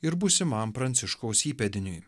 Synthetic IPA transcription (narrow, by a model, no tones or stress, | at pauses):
ɪɾbʊsʲɪmɐmpɾɐnʲt̪sʲɪʃkoʊsiːpʲɛd̪ʲɪnʲʊj